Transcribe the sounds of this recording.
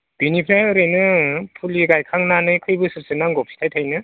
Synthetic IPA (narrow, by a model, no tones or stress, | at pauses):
b̥inipʰɾaɯɾɯjnɯpʰuliɡajkʰaŋnanɯjkʰɯjbɯsɯp̚sɯnaŋɡɔpʰi̥tʰajtʰajnɯ